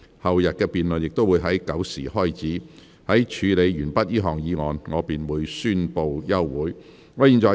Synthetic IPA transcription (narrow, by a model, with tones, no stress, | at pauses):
hɐ˨wjɐ˨t̚kɛː˧piː˨nlɵ˨njɪ˨k̚t̪o˥wuː˨˧jɦɐ˨˥jkɐ˨˥wsiː˨˩hɔː˥jt͡siː˨˥ | hɐ˨˥jt͡ʃʰyː˨˧le˨˧jɥyː˨˩npɐ˥t̚jiː˥ɦɔː˨˩ŋjiː˨˧˥ŋɔː˨˧nŋɔː˨˧piː˨nwuː˨˧jsyː˥˧npo˧wjɐ˥wwuː˨˥j | ŋɔː˨˧jiː˨˩nt͡sɔː˨